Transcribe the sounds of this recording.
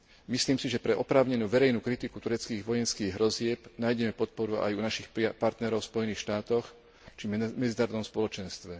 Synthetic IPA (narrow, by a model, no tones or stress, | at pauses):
misliːmsiʒɛpɾɛʔɔpɾaːʊɲɛnuːʋɛɾɛjnuːkɾit̪iku̥t̪uɾɛt͡skiːɣʋɔjɛnskiːɣɦɾɔzɪɛpnaːjɟɛmɛpɔt̪̚pɔɾua̰junaʃixpaɾt̪nɛɾɔʊspɔjɛniːxʃt̪aːt̪ɔx | t͡ʃimɛd͡zinaːɾɔd̪ɔmspɔlɔt͡ʃɛnst̪ʋɛ